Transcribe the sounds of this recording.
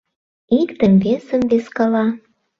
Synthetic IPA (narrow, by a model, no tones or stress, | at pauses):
ikt̪ə̆mvesə̆mβeskɑlɑ